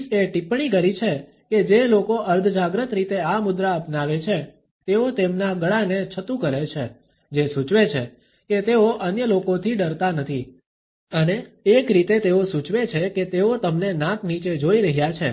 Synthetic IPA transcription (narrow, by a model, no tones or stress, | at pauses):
seʈipɳ̃ikəɾit͡ʃʰe | ked͡ʒelokoʔəɾd̪ʱd͡ʒaɡɾət̪ɾit̪eamʊd̪ɾaəpnaʋet͡ʃʰe | t̪eot̪emnaɡəɭanet͡ʃʰət̪ũkəɾet͡ʃʰe | d͡ʒesũt͡ʃʋet͡ʃʰḛ | ket̪eoʔənjəlokot̪ʰiɖəɾt̪anət̪ʰi | əneːkɾit̪et̪eosũt͡ʃʋet͡ʃʰeket̪eot̪əmnenãknit͡ʃed͡ʒoiɾəɦjat͡ʃʰe